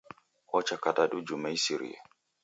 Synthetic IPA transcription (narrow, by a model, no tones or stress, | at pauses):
hɔt͡ʃakataɗud͡ʒumajsiɾḭja̰